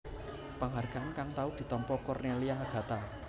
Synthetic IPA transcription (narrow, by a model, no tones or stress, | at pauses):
pəŋɦarɡ̥a̤ʔankaŋt̪aud̪̥i̤t̪ɔmpɔkɔrneliaɡ̥a̤t̪a